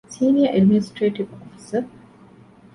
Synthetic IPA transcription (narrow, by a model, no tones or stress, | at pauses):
siːniəʔɐɖminɪsʈɾeːʈiʋɔfi̥sə